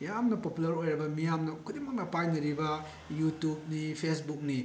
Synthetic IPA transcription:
jamnɐpopulɐɾojɾɐbɐmijamnɐkʰudimɐk̚nɐpajnɐɾibɐ | jutjub̚nipʰesbuk̚ni

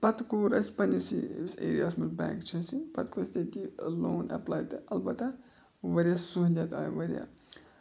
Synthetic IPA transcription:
pɐt̪kuːɾɐsʲpɐnisisḛːɾijasmɐlbã̰ːŋkt͡ʃʰɐsipɐt̪kost̪et̪iloːnɐ̰plaːjt̪ɨɐlbɐt̪a | ʋɐɾjasuɦnʲd͡ʒʲat̪aːjʋɐɾʲija̰

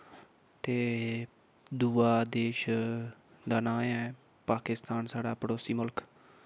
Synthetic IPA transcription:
t̪eː | d̪uːaːd̪eːʃ | d̪aːnãːmɛː | paːkɪst̪aːnsaːɽaːpəɽoːsiːmʊlk

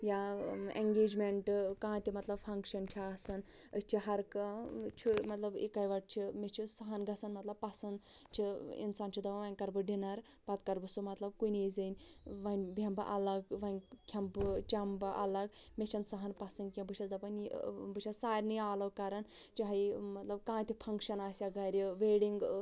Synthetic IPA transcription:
jaeŋɡeːd͡ʒmeɳʈkãːt̪ʲimɐt̪lɐbfʰɐŋkʃɐnt͡ʃʰiasɐn | əst͡ʃʰiɦɐɾkat͡ʃʰimɐt̪lɐbḭkaːjʋɐɖ̚t͡ʃʰimet͡ʃʰisɐɦɐnɡɐsɐnmɐt̪lɐbpɐsɐnd̪t͡ʃʰiḭnsaːnt͡ʃʰid̪ɐʋʋɐnʲkɐɾbɨɖinɐɾ | pɐt̪kɐɾbɨsumɐt̪lɐb̚kunezɨnʲʋɐnʲbʱɐmbɨ̰ʔɐ̰lɐɡʋɐnʲkʲʰɐmbɨt͡ʃɐmbɨʔɐ̰lɐɡmet͡ʃʰɐnsɐɦɐnpɐsɐnkʲɐ̃bɨt͡ʃʰɐzɐpɐnbɨt͡ʃʰʲɐsaːɾʲnɨjaːlɐwkɐɾɐnt͡ʃiɦɐjmɐt̪lɐbkãːt̪ʰʲipʰɐŋkʃɐnaːsʲaɡɐɾʲiʋeːɽiŋɡ

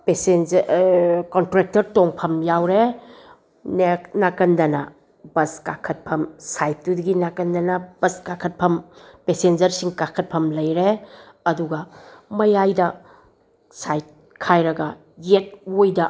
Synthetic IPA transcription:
pesend͡ʒ | kɔntɾek̚tɐɾtoŋpʰɐmjawɾe | neknakɐndɐnɐ | bɐskakʰɐt̚pʰɐmsajt̚dudɐɡinakɐndɐnɐb̥ɐskakʰɐt̚pʰɐmpesend͡ʒɐɾsiŋkakʰɐt̚pʰɐmlɐjɾe | ɐduɡɐmɐjajdɐ | sajt̚ | kʰajɾɐɡɐ | jet̚ojdɐ

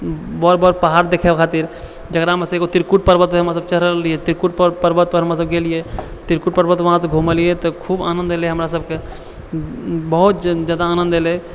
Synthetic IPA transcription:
bɔɾbɔɾpaɦaɾd̪ekʰebkʰat̪iɾ | d͡ʒəkɾaɦəməseɡot̪iɾkuʈ̚pəɾbət̪̚pəɦəmɾas̬əb̚t͡ʃəɾəliet̪iɾkuʈ̚ppəɾbət̪̚pəɾɦəmɾas̬əbɡelijet̪iɾkuʈ̚pəɾbət̪ʋəɦãsẽɡʱuməlijet̪ɔkʰuba̰nənd̪eleɦəmɾasəb̚ke | bəɦut̪d͡ʒjaːd̪aːnə̃nd̪ele

